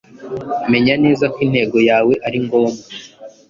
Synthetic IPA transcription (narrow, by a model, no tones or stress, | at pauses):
ame̞ɲane̞ːzakwin̥he̞ːɡo̞jaːwe̞ʔaɾiŋɡo̞ːma